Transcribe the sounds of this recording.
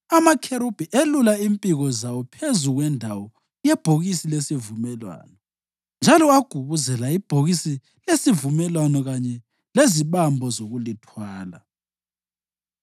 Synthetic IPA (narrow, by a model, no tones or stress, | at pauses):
amakʰeɾub̥ʱiʔelulaimpʼiɣɔzawɔpʰezuɣwɛndʱawɔ | jɛb̥ʱoɣisilesivumɛlwa̰ːnɔ | nd͡ʒʱalɔaɡ̥ʱuβuzɛlaib̥ʱoɣisi | lesivumɛlwanɔɣaɲɛ | leziβambʱɔzoɣulitʰwaːla